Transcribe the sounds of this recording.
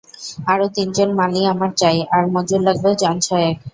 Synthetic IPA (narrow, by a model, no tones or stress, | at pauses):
aɾot̪ind͡ʑonmaliamaɾt͡ɕajaɾmod͡ʑuɾlaɡ̚bewd͡ʑant͡ɕʰɔeek